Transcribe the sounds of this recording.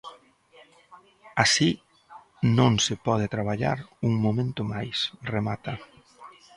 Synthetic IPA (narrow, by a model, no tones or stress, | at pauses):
asi | nõŋsɪpɔð̞ɪt̪ɾaβ̞aʎa̰ɾuŋmomẽnt̪ʊmajsremat̪a